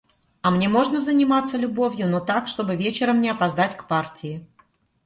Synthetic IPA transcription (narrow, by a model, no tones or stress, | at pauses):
ɐmnʲe̞mo̞ʐnəzənʲɪmat̪səlʲʊbo̞vʲjʊnot̪akʂt̪o̞bɨvʲet͡ɕɪɾəmnʲɪɐpɐzd̪atʲkpartʲɪɪ